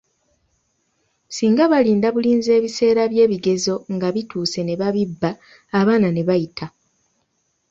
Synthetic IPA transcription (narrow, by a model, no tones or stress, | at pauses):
siːŋɡaβaliːndaβuliːnze̞ːβise̞ːɾaβje̞ːβiɡe̞zo̞ŋɡaβituːse̞ne̞βaβibːaː | βaːnane̞βajitʰa